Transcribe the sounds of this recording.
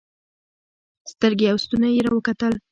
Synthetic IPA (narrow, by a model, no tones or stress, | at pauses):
st̪əɾɡeawst̪unajeɾawəkat̪əl